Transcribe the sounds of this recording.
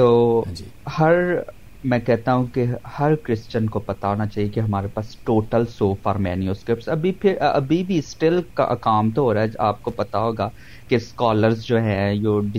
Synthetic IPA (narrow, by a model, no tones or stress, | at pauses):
t̪oː | hɐɾ | mɛ̃ːkɛɦt̪aɦũkehɐɾkɾɪst͡ʃənkopɐt̪aɦoːnat͡ʃaːɦiekeɦɐmaːɾepaːsʈoːʈəlsoːfaːɾmɛːnijuskɾɪp̚ʈsɐbipʰɪɾɐ̰bʱibʱiɪsʈelka̰kaːmt̪oɦoːɾaɦɛa̰ːp̚kopɐt̪aɦoːɡaː | keskaːləɾzd͡ʒoːɦɛ̃joːɖɪ